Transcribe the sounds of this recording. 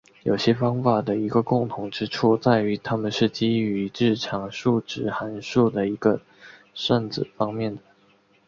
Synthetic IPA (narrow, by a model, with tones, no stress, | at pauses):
jo˨˩ʊɕjɛ˥fɑ˥ŋfa˨˩d̪ə˦i˧˥ɡə˧kʊ˥˩ŋt̪ʰʊ˧˥ŋʈ͡ʂɻ̩˥ʈ͡ʂʰu˥˩t͡sa˥˩ɪy˧˥t̪ʰa˥mə˨nʂɻ̩˥˩t͡ɕi˥y˧˥ʈ͡ʂɻ̩˥˩ʈ͡ʂʰɑ˧˥ŋʂu˥˩ʈ͡ʂɻ̩˨˥xa˧˥nʂu˥˩d̪ə˩i˧˥ɡ̥ə˧ | ʂə˥˧nt͡sɹ̩˨˩fɑ˥ŋmjɛ˥˩nd̪ə˩